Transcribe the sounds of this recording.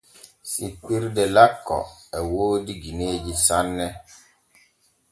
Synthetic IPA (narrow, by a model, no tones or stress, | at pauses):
sik͡piɾdɛlakːɔ̰ɛwoːdiɡined͡ʒisanːɛ